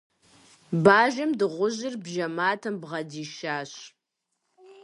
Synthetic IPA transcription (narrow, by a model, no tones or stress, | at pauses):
baːʒɐmdɨʁʷʊʑɪrbʒɐmaːtʰɐmbʁɐdiːʃaːɕ